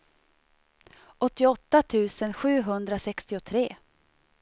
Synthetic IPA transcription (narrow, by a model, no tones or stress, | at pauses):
ʔɔt̪ːɪɔt̪ːat̪ʰʉ̟ːsənɧʉ̟ːɦɵnd̪ɾasɛkst̪ɪʊt̪ʰɾeː